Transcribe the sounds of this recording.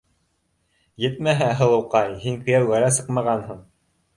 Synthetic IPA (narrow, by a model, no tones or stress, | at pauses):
jɘt̪mæɦæɦɤ̆lˠɤ̆wqɑjhiŋkɵ̆jæwɡæɾæsɤqmɑʁɑnɦɤɴ